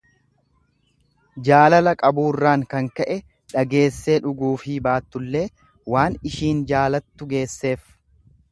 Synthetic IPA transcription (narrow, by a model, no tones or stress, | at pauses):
d͡ʒaːlɐlɐkʼɐbuːrːaːŋkɐŋkɐʔɛ | ᶑɐɡe̞ːsːe̞ːᶑʊɡuːfibaːt̪ːʊlːe̞ː | waːnɪʃiːnd͡ʒaːlɐt̪ːʊɡe̞ːsːe̞ːf